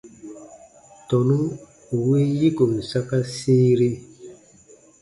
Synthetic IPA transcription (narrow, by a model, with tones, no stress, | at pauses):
tɔ˨nu˦ | u˨we˦ji˦ko˨mi˨sa˦ka˦si˦ɾe˦